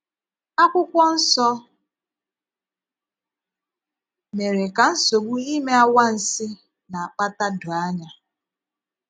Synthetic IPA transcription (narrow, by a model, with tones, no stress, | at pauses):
a˦kʷʊ˦kʷɔ˦n̩˦sɔ˦ | me˨ɾe˨ka˨n̩˦so˨ɡ͡bu˦i˦me˦a˦wa˦n̩˨sɪ˦ | na˨a˨k͡pa˦ta˦dʊ˨a˦ɲa˦